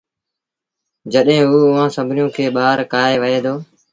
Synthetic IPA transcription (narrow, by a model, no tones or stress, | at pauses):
d͡ʒəɗɦẽːɦuːʊʋãːsəbʱnjõːkʰeːɓaːɾkaːɦeːʋəeːd̪oː